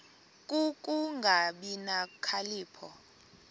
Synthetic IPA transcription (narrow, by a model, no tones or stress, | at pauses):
kʼukʼuŋɡʱaɓinakʰaliːpʰɔ